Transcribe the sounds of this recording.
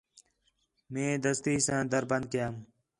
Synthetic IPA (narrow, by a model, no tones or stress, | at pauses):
mẽːd̪əst̪iːsãːd̪əɾbə̃nd̪̚kɐjaːm